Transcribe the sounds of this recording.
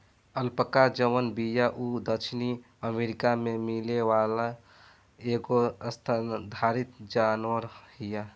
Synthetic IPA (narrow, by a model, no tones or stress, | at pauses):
əlpəkad͡ʒəʋənbijaʔud̪ət͡ʃʰni | əmeɾikamemilewala | eɡoəst̪ʰad̪ʱaɾit̪d͡ʒanwəɾhija